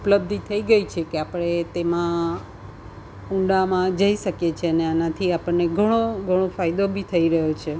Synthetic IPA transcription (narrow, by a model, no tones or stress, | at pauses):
upləb̚d̪ʱit̪ʰəiɡəit͡ʃʰekeapəɽ̃et̪emã | ũɳɖamãd͡ʒəiʃəkjet͡ʃʰeəneənat̪ʰiapəɳneɡʱəɽ̃oɡʱəɽ̃ofajd̪obʱit̪ʰəiɾəɦjot͡ʃʰe